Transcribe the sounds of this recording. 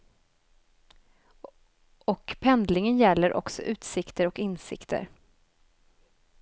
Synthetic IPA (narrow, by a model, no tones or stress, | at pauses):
ɔkpʰɛnd̪lɪŋənjɛlːəɾʔɔ̰ksɔ̰ʔʉ̟ːt̪sɪkt̪əɾɔkɪnsɪ̰kt̪ʰə̰ɾ